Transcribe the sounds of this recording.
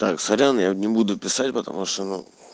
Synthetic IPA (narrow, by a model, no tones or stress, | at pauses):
t̪aksɐɾʲanjanʲɪbud̪ʊpʲɪsatʲpət̪ɐ̰muʂt̪onu